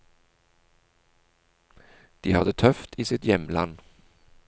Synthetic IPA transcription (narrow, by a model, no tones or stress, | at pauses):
d̪̥iːhɑd̪ət̪ʰœft̪ʰiːsɪt̪jɛmla̰nː